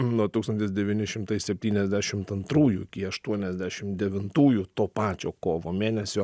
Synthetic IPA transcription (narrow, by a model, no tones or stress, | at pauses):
nuɔt̪uːkst̪ɐnʲt̪ʲɪsd̪ʲɛʋʲiːnʲɪʃʲɪmt̪ɐɪsʲɛpʲt̪ʲiːnʲɛzʲd̪ʲæːʃʲɪmt̪ɐnt̪ɾuːjuɪkʲiɐʃt̪uɔnʲɛzʲd̪ʲæːʃʲɪmd̪ʲɛʋʲɪnt̪uːjut̪oːpɑːt͡ʃʲoːkoːʋoːmʲeːnʲɛsʲoː